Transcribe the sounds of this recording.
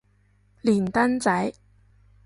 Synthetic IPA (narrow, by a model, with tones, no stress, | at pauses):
liː˨˩nt̪ɐ˥nt͡sɐ˨˥j